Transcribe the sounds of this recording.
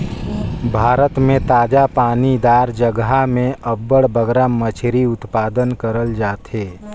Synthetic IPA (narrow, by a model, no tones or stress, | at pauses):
bʱaːɾət̪mẽt̪aːd͡ʒapaːnid̪aːɾd͡ʒəɡɦamẽʔəbːəɽbəɡɾamət͡ʃʰɾiʊt̪paːd̪ənkəɾəld͡ʒaːt̪ɦeː